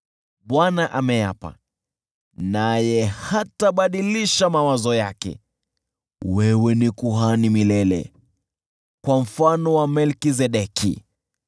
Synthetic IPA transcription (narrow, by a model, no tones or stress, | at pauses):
ɓwanaʔamɛja̰pa̰ | najɛhataɓaɗiliʃamawazɔjakɛ̰ | wɛwɛnikuɦanimilɛlɛ̰ | kwam̩fanɔwamɛlkizɛɗɛkʰḭ